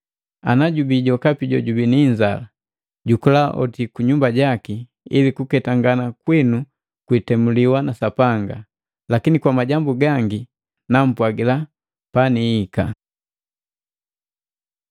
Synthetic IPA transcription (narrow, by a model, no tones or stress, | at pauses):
a̰naɟubiɟɔkapiɟɔɟubiniɲd͡ʒa̰la | ɟukulaʔɔ̰tikuɲumbaɟaki | ḭlikukɛtaŋɡanakwinu | kwitɛmuliwanasapaŋɡa | lakinikwamaɟambuɡaŋɡi | nam̩pwaɡila | paniːka̰